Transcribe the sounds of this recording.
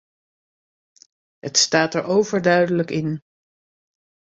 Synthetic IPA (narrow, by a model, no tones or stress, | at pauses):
ɦətstaːtɛɹowvəɹdœɥdələkɪn